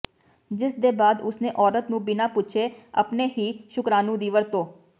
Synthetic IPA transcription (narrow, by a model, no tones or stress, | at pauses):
d͡ʒɪsd̪eːbaːd̪ʊsnẽːʔɔːɾət̪nũːbɪnaːpʊt͡ʃʰeːə̰pneːɦiːʃʊkɾaːnũːd̪iːʋəɾt̪õː